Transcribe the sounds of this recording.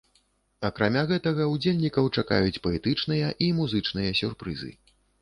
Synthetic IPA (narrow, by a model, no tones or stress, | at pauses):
ɐkɾamʲaɣɛt̪ɐɣɐwd͡zʲelʲnʲikɐwt͡ʂaka̰jut͡sʲpɐɛt̪ɨt͡ʂnɨjɐʔimuzɨt͡ʂn̪ɨjɐsʲurpɾɨ̰zɨ̰